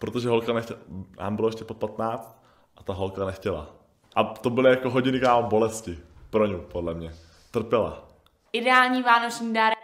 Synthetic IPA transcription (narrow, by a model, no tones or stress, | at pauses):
pɾot̪oʒɛɦo̞lkanɛxcɛna̰ːmbɪlojɛʃcɛpot̪̚pat̪naːt͡st̪̚ | ʔat̪aɦolkanɛxcɛla̰ | ʔat̪obɪlɪjakoɦoɟɪnɪkaːmbo̞lɛscɪpɾoɲupodlɛmɲɛ | t̪r̩pjɛla̰ | ʔɪdɛaːlɲiːvaːnot͡ʃɲiːdaɾ